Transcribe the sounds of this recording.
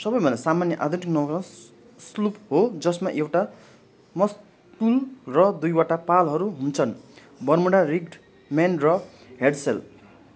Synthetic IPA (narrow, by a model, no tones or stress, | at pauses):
sʌbʌjbʱʌnasamanjʌʔad̪ʱuʈiknʌk | slupɦod͡zʌsmaʔewʈa | mʌs | tulrʌd̪ujwaʈapalɦʌɾuɦunt͡sʰʌn | bʌrmuɽariɡɖ | manrʌ | ɦeɽsel